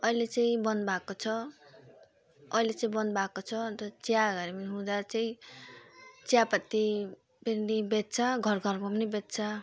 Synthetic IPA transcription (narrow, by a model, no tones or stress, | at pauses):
ʌilet͡saĩbʌnbakot͡sʰʌ | ʌilet͡saĩbʌnd̪bakot͡sʰʌt̪ʌt͡sjaɡʌɾemʌɦũd̪at͡saĩ | t͡sjapʌt̪ːi | peɾnibet̪̚t͡sʰaɡʱʌrɡʱʌrmapʌnibet̪t͡sʰa